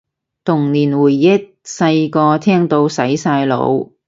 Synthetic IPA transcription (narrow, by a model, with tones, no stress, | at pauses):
t̪ʰʊ˨˩ŋniː˨˩nwuː˨˩jːɐ˥t̚sɐ˧jkɔː˧t̪ʰɛː˥ŋt̪o˧wsɐ˨˥jsaː˧jlo̰˨˧w